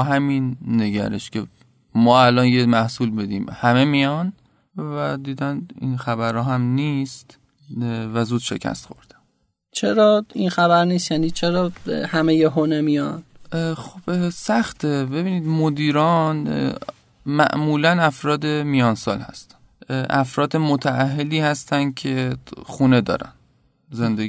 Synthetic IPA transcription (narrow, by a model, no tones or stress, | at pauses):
ɦæminːeɟæ̰ɾeʃcʰe | mɒːælɒːnjemæhsuːlbed̪iːmhæmemijɒn | væd̪iːd̪ænḭnxæβæɾhɒːɦæmniːst̪ | væzuːd̪̥ʃe̞̰cʰæ̰st̪xo̞̰ɾd̪̥æ̥n | t͡ʃʰeɾɒːinxæbæɾniːst̪jæːniːt͡ʃʰeɾɒːhæmejeɦonemijɒnd̪̥xob̥sæxt̪ʰebe̞biːniːd̪mod̪iːɾɒːn | mæ̰ʔmuːlænæfɾɒːd̪e̞mijɒːnsɒːlhæ̰st̪æ̥n | ʔæfɾɒːd̪emot̪ʰæʔæɦːeliːhæst̪ænd̪̚cʰexuːne̞d̪ɒ̰ːɾæ̰n | zend̪e